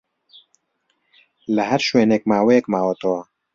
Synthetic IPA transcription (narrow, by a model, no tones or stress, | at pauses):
ləhɛɾʃweːnek̚maːweɛk̚maːwɔt̪o